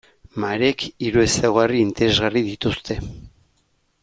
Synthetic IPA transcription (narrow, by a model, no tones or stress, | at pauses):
maɾe̞kiɾue̞sawɣariːnt̪eɾe̞zɣarið̞it̪ust̪e̞